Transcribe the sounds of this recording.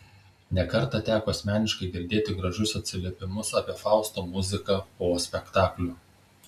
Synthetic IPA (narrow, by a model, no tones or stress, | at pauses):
nʲɛkɐɾt̪ɑt̪ʲæːkoːɐsʲmʲæːnʲɪʃkɐɪɡʲɪɾʲd̪ʲeːt̪ʲɪɡɾɐʒʲʊsɐt̪ʲsʲɪlʲeɛpʲɪmʊsɑːpʲiɛfɑˑʊst̪oːmʊzʲɪkɐpoːsʲpʲɛkt̪ɑːklʲʊ